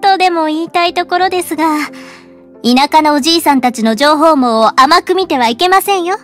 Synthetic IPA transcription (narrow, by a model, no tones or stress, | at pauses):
t̪od̪e̞mo̞iːt̪ait̪o̞ko̞ɾo̞d̪e̞sɨɡa | inakano̞ːʑiːsãnt̪at͡ɕino̞ʑo̞ːɦo̞ːmo̞amakɯ̟mʲit̪e̞β̞aike̞masẽ̞ɰ̃jo̞